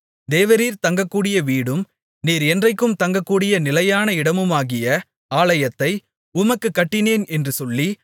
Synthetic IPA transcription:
d̪eːʋɐɾiːɾt̪ɐŋɡɐkːuːɽɪjɐʋiːɽɯm | niːɾɛndrɐɪkːɯmt̪ɐŋɡɐkːuːɽɪjɐnɪlɐjaːnɐɪɽɐmɯmaːɣɪjɐ | aːlɐjɐt̪ːɐɪ | ʊmɐkːɯkːɐʈːɪneːnɛndrɯsɔlːi

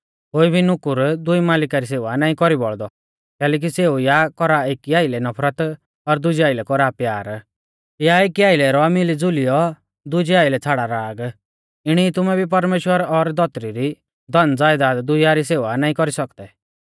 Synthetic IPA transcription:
ɦoːibʱinʊkuɾd̪ʊimaːlɪkaɾis̬eːʋanaːĩkɔɾibɔɭd̪ɔ | kɛːlɛːk̬iseujakɔɾaekiaːɪlɛnɔpʰɾət̪ | ɔɾd̪ʊd͡ʒiaːɪlɛkɔɾapjaːɾ | jaekiaːɪlɛɾɔamilid͡zʊlijɔ | d̪ʊd͡ʒiaːɪlɛt͡sʰaːɽaɾaːɡ | ɪɽ̃iːt̪ʊmɛbʱip̬ɐɾmeːʃwəɾɔɾd̪ɔt̪ɾiɾi | d̪ɔnd͡zaːjd̪ad̪d̪ʊjaɾiseːʋanaːĩkɔɾisɔkd̪ɛ

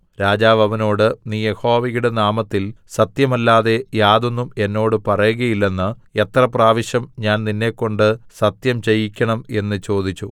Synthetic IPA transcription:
ɾaːd͡ʑaːʋɐʋɐno̞ːɽɨniːje̞ho̞ːʋiɣuɽenaːmɐt̪ːilsɐt̪jɐmɐlːaːðe̞jaːðo̞nːume̞nːo̞ːɽɨpɐrɐjuɣɐjilːe̞nːɨe̞t̪rɐpraːʋiɕjɐmɲaːnninːe̞ːkːo̞ɳɖɨsɐt̪jɐmt͡ɕejikʲːɐɳɐme̞nːɨt͡ɕo̞ːd̪it͡ɕːu

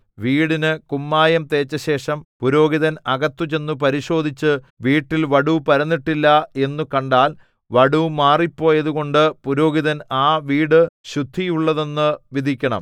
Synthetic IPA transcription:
ʋiːɽinɨkumːaːjɐmt̪e̞ːt͡ɕːɐɕe̞ːʂɐmpuɾo̞ːɡiðɐnɐɣɐt̪ːut͡ɕe̞nːup̬ɐɾiɕo̞ːd̪ʱit͡ɕːɨ | ʋiːʈːilʋɐɽupɐɾɐnːiʈːilːɐe̞nːukɐɳɖaːl | ʋɐɽumaːripːo̞ːjɐðuɣo̞ɳɖɨpuɾo̞ːɡiðɐnaːʋiːɽɨɕud̪ʱːijuɭːɐðe̞nːɨʋid̪ʱikʲːɐɳɐ̰m

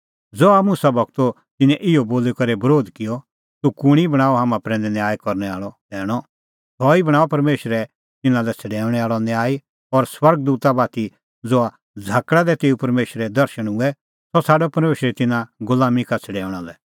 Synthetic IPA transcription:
d͡zoamʊsabɐɡt̪o | t̪ɪnɛ̃ʔɪoboːlekɐɾɛbɐɾoːd̪kɪjɔ | t̪ukʊɽ̃ibɐɽ̃aːɔɦaːmãpɾɛ̃nd̪ɛnjaːjkɔɾñɛa̰ːɭɔd̪ɛːɽ̃ɔ | t̪ʰɔːibɐɽ̃aːɔpɐɾmeːʃəɾɛ | t̪ɪnãlɛt͡sʰɛɖɛːʊɽ̃ɛaːɭɔnjaːi | ɔɾswɐɾɡ̚d̪uːt̪abaːt̪i | d͡zoa | d͡zʱaːkɽad̪ɛt̪eːupɐɾmeːʃɾɛd̪ɐɾʃəɽ̃ʊ̃ɛ | sɔsʰaːɖɔpɐɾmeːʃɾɛt̪ɪnãɡʊlaːmikat͡sʰɐɽɛːʊɽ̃alɛ

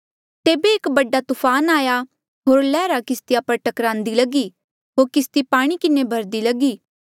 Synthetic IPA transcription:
t̪eːbeɪːkbɐɖat̪ʊfʰaːnaːja | ɦoːɾlɛːɾakɪst̪ɪjapɐɾʈɐkɾãːnd̪ilɐɡi | ɦoːɾkɪst̪ipaːɽ̃ikɪnebʱɐɾd̪ilɐɡiː

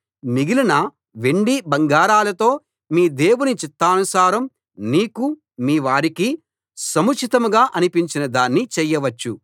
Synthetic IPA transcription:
miɡilinɐ | ʋeɳɖibɐŋɡaːɾaːlɐt̪o̞ː | miːd̪e̞ːwunit͡ʃit̪ːaːnusaːɾɐm | niːku | miːʋaːɾiki | sɐmut͡ʃʰit̪ɐmuɡaːʔɐnipiɲt͡ʃinɐd̪aːnːit͡ʃɛjːɐʋɐt͡ʃːu

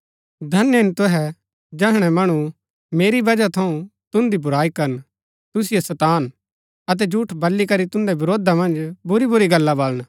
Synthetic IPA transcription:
d̪ʱɐnɪnt̪ʊɦɛ | d͡ʒɛɦɽ̃ɛmɐɽ̃ũ | meːɾibɐd͡ʒat̪ʰɐũt̪ʊ̃nd̪ibʊɾaːikɐɾən | t̪ʊs̬ɪjesɐt̪aːn | ɐt̪̬ɛd͡ʒuːʈʰbɐlːikɐɾit̪ʊ̃nd̪ɛbɪɾoːd̪amɐ̃nd͡ʒbʊɾibʊɾiɡɐlːabɐlən

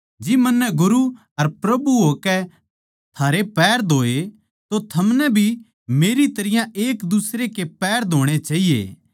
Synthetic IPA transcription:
d͡ʒɪmɐnːɛɡʊɾu | ɐɾpɾɐbuɦoːkɛ | t̪ʰaːɾepɛːɾd̪ʱoːe | t̪ot̪ʰɐmnɛbʱi | meːɾit̪ɐɾɪjãʔeːkd̪ʊsɾekepɛːɾd̪ʱoːɽ̃et͡ʃaːɦijḛ

